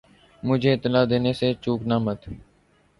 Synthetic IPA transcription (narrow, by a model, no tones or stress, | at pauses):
mʊd͡ʒʱeːɪt̪ːɪlaːd̪eːneset͡ʃuːknaːmət̪